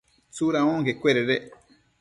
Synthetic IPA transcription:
t͡suɾaõŋkekweɾeɾe

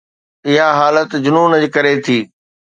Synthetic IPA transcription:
ɪɦaɦaːlət̪d͡ʑʊnuːnəd͡ʑkɐɾet̪ʰiː

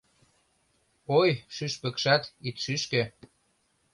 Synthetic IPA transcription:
ojʃyʃpə̆kʃɑt̪it̪ʃyʃkø̆

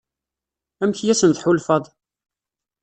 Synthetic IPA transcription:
æmçjæsənðħulfɑðˤ

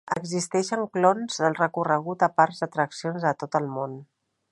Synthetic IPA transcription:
əɡzist̪ɛʃəŋklonzðəlˠrəkurəɣ̞ut̪əpaɾzət̪ɾəksionzət̪ot̪əlˠmon

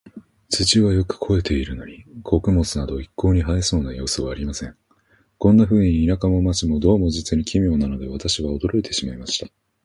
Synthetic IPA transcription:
t͡sɨt͡ɕiβajo̞kɯ̟̥kʰo̞e̞t̪e̞iɾɯ̟no̞ɲ̟ikʰo̞kɯ̟mo̞t͡sɨnad̪o̞ikʰːo̞ːɲ̟iɦaiso̞ːnajo̞ːsɨβaːɾʲimasẽ̞ŋ | kõ̞nːaɸɯ̟ːɲ̟iːnakamo̞mat͡ɕimo̞d̪o̞ːmo̞ʑit͡sɨɲ̟ikʲʰimʲjo̞ːnano̞d̪e̞β̞at̪aɕiβaod̪o̞ɾo̞it̪e̞ɕimaimaɕi̥t̪ḁ

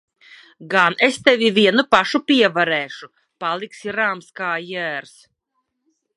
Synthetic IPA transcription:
ɡanest̪ɛvʲivʲiɛnupaʃupʲiɛvaɾɛːʃu | palˠiksiɾaːmskaːjæːɾs

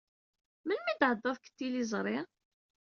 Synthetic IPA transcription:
mənmid̪ʕəd̪ˤːɑðkə̥t̪ːilizˤɾˤi

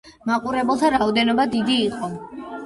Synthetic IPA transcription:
maqʼuɾɛbɛlˠt̪ʰaɾaɔd̪ɛnɔbad̪id̪iːqʼɔ

